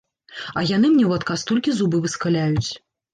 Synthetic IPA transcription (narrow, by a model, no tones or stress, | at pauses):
ɐjan̪ɨmnʲɛwat̪kast̪ɔlʲkʲizubɨvɨskalʲajut͡sʲ